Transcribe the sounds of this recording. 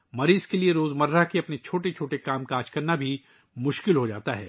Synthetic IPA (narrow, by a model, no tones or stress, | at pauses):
mɐɾiːzkelieɾoːzmɐɾːaɦkeɐpnet͡ʃʰoːʈet͡ʃʰoːʈekaːmkaːt͡ʃkɐɾnabʱi | mʊʃkɪlɦod͡ʒa̰ːt̪aɦɛ̰ː